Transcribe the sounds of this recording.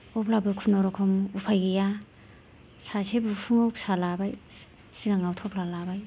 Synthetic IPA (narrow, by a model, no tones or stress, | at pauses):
ɔplabɯkʰunɔɾɔkʰɔmupʰajɡeja | sasebupʰɯŋawsalabaj | siɡaŋawtʰɔp̚lalabaj